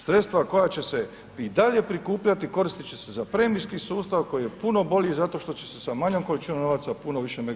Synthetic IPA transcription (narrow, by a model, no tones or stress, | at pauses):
sɾe̞t̪st̪ʋako̞jat͡ɕe̞se̞ | id̪aʎe̞pɾikuːpʎat̪iko̞ɾist̪it͡ɕe̞se̞zapɾe̞mijskisuːst̪aʋko̞jije̞puno̞bo̞ʎʲizat̪o̞ʃt̪o̞t͡ɕe̞̥sesamaɲo̞mkolit͡ʃinomno̞ʋaːt̪sapuno̞ʋiʃeme